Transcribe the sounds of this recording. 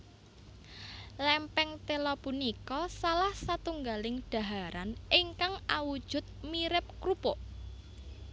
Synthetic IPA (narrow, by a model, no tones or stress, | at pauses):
lɛmpɛŋt̪elɔpunikɔsalahsat̪uŋɡalɪŋɖ̪̥a̤ɦaɾaniŋkaŋawud̥ʒ̥ʊ̤t̪̚miɾɪp̚kɾupoʔ